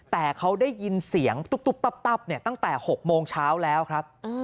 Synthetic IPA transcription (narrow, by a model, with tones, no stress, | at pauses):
t̪ɛː˨˩kʰa˦˥wdaː˥˩jːi˧nsi˩˦əŋt̪u˦˥p̪̚u˦˥˩p̚t̪a˦˥˩p̚t̪a˥˩p̚ni˥˩ɐt̪a˥˩ŋt̪ɛː˨˩ho˨˩k̚moː˧ŋt͡ɕʰaː˦˥wlɛː˦˥wkʰɾa˦˥p̚ʔaː˧